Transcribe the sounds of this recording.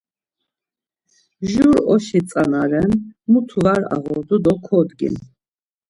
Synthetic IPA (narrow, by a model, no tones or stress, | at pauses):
ʒuɾɔʃit̪t͡s̪ʼanaɾɛnmut̪ʰuvaɾa̰ʁɔɾd̪ud̪ɔkʰɔd̪ɡḭn